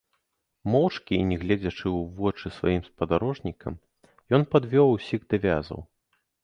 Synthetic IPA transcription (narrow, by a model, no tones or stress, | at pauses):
mɔwt͡ʂkʲiːnʲɛɣlʲɛd͡zʲɐt͡ʂɨwvɔt͡ʂɨsva̰jimspɐd̪aɾɔʐnʲikɐ̰m | jɔnpad̪vʲɔwusʲiɣd̪avʲa̰zɐ̰w